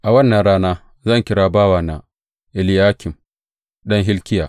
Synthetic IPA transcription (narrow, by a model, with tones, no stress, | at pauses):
ʔa˨wɐ˦nːɐ˨nɽaː˦naː˦ | zɐ˦˨ŋkʲɪ˦ɽaː˦baː˦waː˨na˨ | ʔɪ˨lɪ˦jaː˦kʲɪ˨m | ɗɐ˦ŋɦɪ˦lkʲɪ˦jaː˨